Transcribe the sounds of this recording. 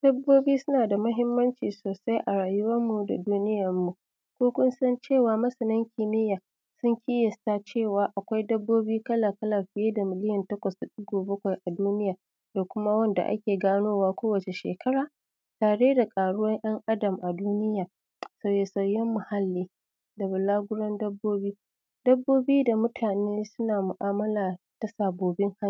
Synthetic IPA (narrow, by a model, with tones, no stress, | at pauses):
d̥ɐ˦bːoː˦biː˦sʊ˦naː˨da˨mɐ˦ɦɪ˦mːɐ˦nt͡ʃiː˨soː˨sa˦jʔa˨ɽaː˨jʊ˦wɐ˦mːu˨da̰˨duː˦nɪ˦jɐ˨mːu˨ | kʷoː˦kʷʊ˦nsɐ˦nt͡ʃeː˦˨waː˨mɐ˦sɐ˨nɪ˦ŋkʲɪ˨mɪ˦jaː˨ | sʊ˦ŋkʲiː˦jɐ˨sta˦t͡ʃeː˦˨waː˨ʔa˨kʷa˦jdɐ˦bːoː˦biː˦kɐ˦la˨kɐ˦la˨ɸɪ˦jeː˦da˨mɪ˨lɪ˦jɐ˨ntɐ˦kʷɐ˨sda˨ɗʊ˦ɡoː˨bɐ˦kʷa˨jʔa˨duː˦nɪ˦jaː˨ | da˨kʷʊ˦ma˦wɐ˦nda̰˨ʔa̰˦kʲeː˨ɡaː˦noː˦waː˦kʷoː˦wɐ˨t͡ʃe˨ʃḛː˨kʰɐ˦ɽaː˨ | taː˨ɽeː˦da˨kʼaː˨ɽʊ˦wɐ˦ŋʔɐ˦ŋʔa˦dɐ˨mʔa˨duː˦nɪ˦jaː˨ | sɐ˨wjeː˨sɐ˨wjɛ˦mːʊ˨ha˦lːiː˦ | da˨bʊ˨laː˦ɡʷʊ˦ɽɔ˦ndɐ˦bːoː˦biː˦ | dɐ˦bːoː˦biː˦da˨mʊ˦tʰaː˨neː˦sʊ˦naː˨mʊ˨ʔaː˦mɐ˦laː˨ | ta˨saː˨boː˨bɪ˦ŋha˦˨